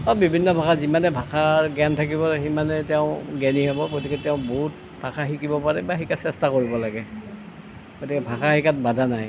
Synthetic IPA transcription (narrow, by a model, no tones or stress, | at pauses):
ɔbibʱinːɔbʱakazimanɛbʱakʰaɡɛntʰakibɔximanɛtɛʊ̃ɡɛniɦɔbɔɡotikɛtɛʊ̃bɔɦut̚ | b̥ʱakʰaxikibɔpaɹɛbaxikasɛstakoɹibɔlaɡɛ | ɡotikɛbʱakahikat̚badʱanaj